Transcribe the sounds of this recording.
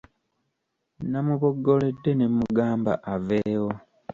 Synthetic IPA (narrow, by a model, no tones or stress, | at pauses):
namuβoɡːo̞le̞dːe̞nemuɡaːmba̰ʔaveːwo